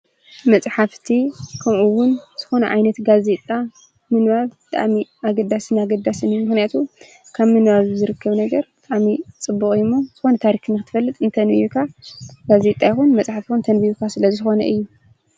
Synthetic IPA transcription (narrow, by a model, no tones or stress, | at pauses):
mɐt͡sʼħaft̪ʰikʰɐmʔuwʊnz̥ɨxo̞nɐʕajnɐt̪ɡaze̞t̪ʼa | mɨnβaβbɨt̪ʼa̰ʔmiaɡɐd̪ːasɨnaɡɐd̪asɨnɨjːumɨxnijat̪ʰu | kʰaβmɨnβaβzɨɾɨkʰːɐβnɐɡɐɾbɨt̪ʼaʔmit͡sʼɨbːuχʼɪmːoz̥ɨxo̞nɐt̪ʰaɾikɨnɨxɨt̪ʰɨfɐlːɨt̪ʼɨnt̪ʰɐnḭjukʰaɡaze̞t̪ʼajxunmɐt͡sʼħaft̪ʰixunt̪ʰɐnbijukʰasɨlɐzɨxo̞nɐ̰ʔɨjːu